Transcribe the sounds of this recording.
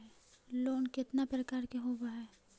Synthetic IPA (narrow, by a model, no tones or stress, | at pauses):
ɛloːnkɪt̪napɾɐkaːɾkeɦoːbaɦɛː